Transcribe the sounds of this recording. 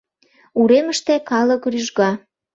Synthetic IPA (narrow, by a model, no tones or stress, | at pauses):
uɾeməʃt̪ekɑləkryʒɣɑ